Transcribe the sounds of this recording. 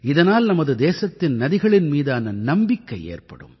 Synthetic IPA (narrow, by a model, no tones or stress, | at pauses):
ɪðɐnaːlnɐmɐðɯd̪eːsɐt̪ːɪnnɐðɪɣɐɭɪnmiːðɯɐnɐnɐmbɪkːɐjḛːrpɐɽɯ̰m